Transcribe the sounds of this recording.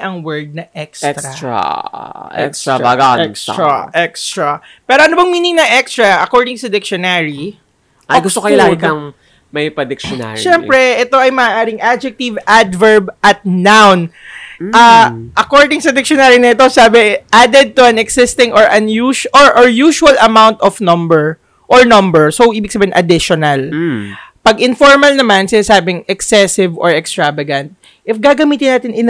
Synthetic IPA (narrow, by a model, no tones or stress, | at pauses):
ʔɐŋwɛɹd̪̚nɐʔɛksɾɐɾa̰ʔɛ̰k̪aba̰ːɡɐɐ̰ɛɾaʔɛkst̪ɾɐ | pɛːɾoʔɐnobɐŋmiːnɪŋnɐʔɛkst̪ɾɐʔɐkoɹd̪ɪŋsɐd̪ɪkʃonaɹi | ʔɐɡʊst̪okɐɪlaːɡɐkɐŋ | mɐpɐd̪ɪkʃona̰ʃɛmpɾɛʔɛt̪o̞ɐjmɐaːʔaːɾɪŋʔad͡ʒɛk̚t̪ivad̪vɛɹbʔɐt̪̚nawnʔaʔɐkoɹd̪ɪŋsɐd̪ɪk̚ʃonaːɾinɐɪt̪o̞saːbɪʔad̪ɛd̪̚t̪ʊɐnɛksɪst̪ɪŋʔɔɹʔɐnjuʃʔɔɹʔoɹjuːʃuɐlɐmawnt̪ɔfnɔmbɛɹ | ʔɔɹnɔmbɛɹsowʔiːbɪɡ̚sɐbiːɪnʔɐd̪ɪʃonɐl | pɐɡɪnfoɹmɐlnɐmansɪasaːbɪŋʔɛksɛsɪvɔɹɛkst̪ɹavɐɡɐ̃nt̪̚ | ʔɪfɡaːɡɐmiːt̪ɪnaːt̪ɪnɪn